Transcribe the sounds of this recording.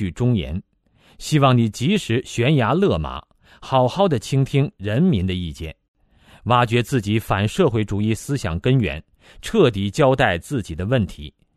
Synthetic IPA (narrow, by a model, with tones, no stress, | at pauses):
y˥˩ʈ͡ʂʊ˥ŋjɛ̰˧˥n | ɕi˥wɑ˥˩ŋni˨˩t͡ɕi˧˥ʂɻ̩˧˥ɕɥɛ˧˥nja˧˥lɤ˥˩ma̰˨˧˥ | xɑ˨˩ʊxɑ˥˩ʊd̪ə˩t͡ɕʰi˥ŋt̪ʰi˥ŋɻə˧˥nmi˧˥nd̪ə˧i˥˧t͡ɕjɛ̰˥˩n | wa˥t͡ɕɥɛ˧˥t͡sɹ̩˥˩t͡ɕi˧˥fa˨˩nʂɤ˥˧xwe˥˩ɪʈ͡ʂu˨˩i˥˩sɹ̩˥ɕjɑ̰˨˩ŋkə˥nɥɛ̰˧˥n | ʈ͡ʂʰɤ˥˩t̪i˧˥t͡ɕjɑ˥ʊt̪a˥˧ɪt͡sɹ̩˥˩t͡ɕi˨˩d̪ə˦wə˥˩nt̪ʰḭ˧˥